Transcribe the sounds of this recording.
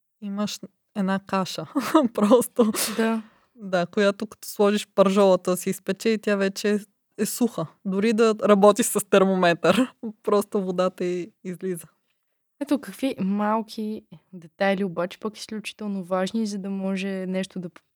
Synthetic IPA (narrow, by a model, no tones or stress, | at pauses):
iməʃ | ɛnakaʃəpɾɔst̪od̪a | d̪akojat̪okɐ̥t̪ɔ̥slˠɔʒiʃpɐɾʒɔlˠət̪əsiːspɛt͡ʃɛit̪ʲjavɛt͡ʃɛː | ɛsuxəd̪ʊɾid̪ɐɾɐbɔt̪iʃsɐst̪ɛɾmomɛt̪əɾpɾɔst̪ovod̪at̪ɐiːzlizə | ɛt̪okɐkvimalˠkʲʰid̪ɛt̪ajliobat͡ʃɛ̥pɐki̥sklʲut͡ʃi̥t̪ɛlˠnovaʒnizɐd̪ɐmɔʒɛnɛʃt̪od̪ɐp